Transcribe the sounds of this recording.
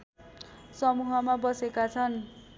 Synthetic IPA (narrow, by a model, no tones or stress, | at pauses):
sʌmuɦʌmabʌsekat͡sʰʌn